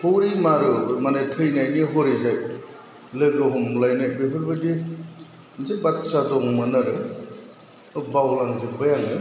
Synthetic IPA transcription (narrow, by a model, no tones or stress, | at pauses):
hoɾimaɾɯmanetʰɯjnajniɦɔɾizaj | lɯɡɯɦɔmlajnajbeɦʰɯɾbadi | nzebat̚sadɔŋmanaɾɯ | bawlaŋzebɯjaŋnɯ